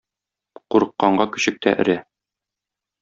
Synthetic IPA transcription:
quɾɤ̆qːɑɴɢɑkɵ̆ɕɘ̆k̚t̪æ̰ʔɘ̆ɾæ

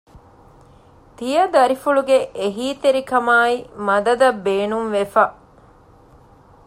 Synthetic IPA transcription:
t̪ijɐd̪ɐɾifuɭuɡeʔeɦiːt̪eɾikɐmaːimɐd̪ɐd̪ɐbːeːnunʋefɐ

